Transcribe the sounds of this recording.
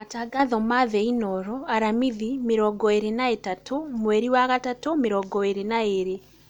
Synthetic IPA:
mataɡaðɔmaðɛinɔɾɔaɾamiðimeɾɔɡɔeɾenaetatʰomwɛɾiwaɣatatomeɾɔɡɔeɾenaeɾe

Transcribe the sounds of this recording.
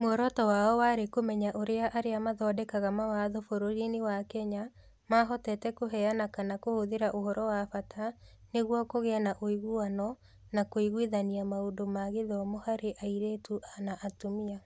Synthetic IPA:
moɔɾɔtɔwaɔwaɾekomɛɲaʔoɾeaʔaɾeamaðɔːdɛkaɣamawaðofoɾoɾinewakɛɲa | maɦɔtɛtɛkoɦɛanakanakohoðeɾaʔoɦɔɾɔwafatʰaneɣwɔkoɣeanaʔoiɣuanɔ | nakoiɣwiðaniamaondomaɣeðɔmohaɾeʔaiɾeːtuʔanaʔatomia

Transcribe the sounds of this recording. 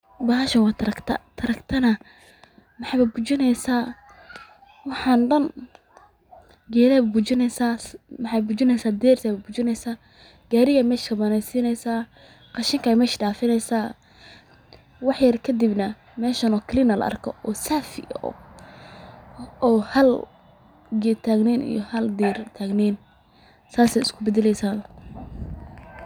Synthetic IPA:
baɦaʃɐnwɑːt̪ʰɐɾɐkt̪ʰɐ̰t̪ʰɐɾɐkt̪ʰɐnɐ | mɑħɑːβɐbʊt͡ʃɪnɛjsaː | wɑħɑːnɖɐn | ɡɛːðɛːbbʊt͡ʃɪnɛsaːmɑħɑbʊt͡ʃɪnɛjsaːd̪ɛːrt̪ʰɛβɐbʊt͡ʃɪnɛjsaː | ɡ̥aːɾɪɣɐmɛːʃkʰɐbɐnɛsiːnɛjsaː | qɑʃɪŋkʰajmɛːʃɖaːfɪnɛjsaː | wɑħjɐrkʰɐd̪ibnɐ | mɛːʃɐnɔkʰlɪnɐlɐ̰ʔɐ̰rkʰɔ̰ʔɔːsaːfɪ̰ɔ̰ | ɔːhɐl | ɡɛt̪ʰaːɡniːnḭjɔhɐld̪iːrt̪ʰaːɡniːn | saːsɛjɪskʰʊbɛd̪ɛlɛjsaːn

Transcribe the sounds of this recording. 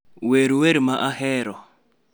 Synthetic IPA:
weɾiweɾimaʔahɛːɾɔ

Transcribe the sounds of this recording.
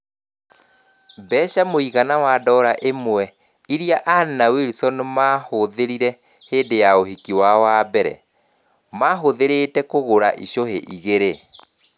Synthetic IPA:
bɛːʃamoiɣanawadɔːɾaʔemwɛ | iɾiaʔanaweɾisɔnɔmahoðeɾiɾɛ | heːndejaohikiwawabɛɾɛ̰ | maɦoðeɾetɛkoɣoɾa̰ʔiʃoheʔiɣeɾe

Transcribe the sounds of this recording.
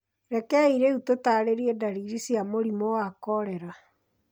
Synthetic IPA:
ɾɛkɛiɾeutotaɾeɾiɛdaɾiɾisjamoɾimowakɔɾɛɾa

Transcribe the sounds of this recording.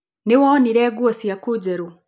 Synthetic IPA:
niwɔniɾɛɡuɔsijakud͡ʒɛɾu

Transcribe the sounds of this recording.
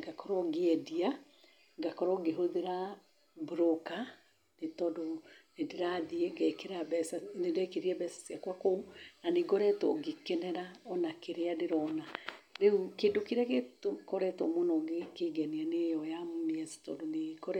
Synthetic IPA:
ɡakɔɾɔɡeɛdia | ɡakɔɾɔɡeɦoðeɾa | bɾoka | netɔdonedeɾaðieɡɛkeɾabɛsanedɛkeɾiɛbɛsḁsiakwakounaneɡɔɾɛtɔ̰ɡekɛnɛɾaɔnakeɾeadeɾɔnaɾeukedokeɾaketkɔɾɛtɔ̰monɔɡekeɡɛnianejɔjammiasi̥tɔ̰doneɡɔɾɛ

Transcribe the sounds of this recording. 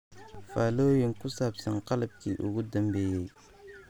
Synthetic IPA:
faːlojenkusabsaŋqɑlab̚kiʔṵɡud̪ambejej

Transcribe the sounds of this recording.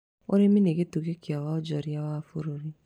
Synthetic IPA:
oɾemineɡetukekiawaɔd͡ʒɔɾiawafoɾoɾi

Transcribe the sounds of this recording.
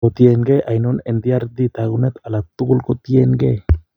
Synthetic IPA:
ot̪ienɡeʔajnɔnend̪iaɾd̪it̪aɡunɛt̪alak̚t̪ukulkɔt̪ienɡe

